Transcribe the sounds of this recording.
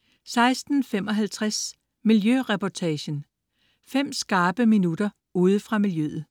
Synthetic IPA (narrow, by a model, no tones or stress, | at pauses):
sɑ̈ɪsd̥n̩fem̰ɒ̽ɦælt͡sʰʁas | miljøʁɛpʰɒt͡sʰɛɕən | fem̰sɡ̥ɑ̈ːb̥əminud̥ɐ | uːð̞ˠfʁɑ̈miljøðð̩ˠ